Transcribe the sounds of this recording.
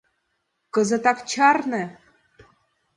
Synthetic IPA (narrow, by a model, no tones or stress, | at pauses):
kɤ̆zə̆t̪ɑkt͡ɕɑrnɤ̆